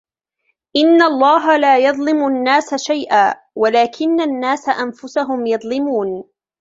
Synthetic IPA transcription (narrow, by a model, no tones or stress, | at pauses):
ʔɪnːaɑlˤːɑːɦalaːjɑðˤlɪmʊnːaːsaʃajʔaː | walaːkʰɪnːanːaːsaʔanfʊsaɦʊmjɑðˤlɪmuːn